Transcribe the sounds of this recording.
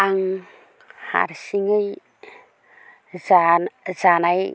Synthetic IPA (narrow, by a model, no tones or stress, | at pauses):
aŋ | ha̰ɾsiŋəj | zanaj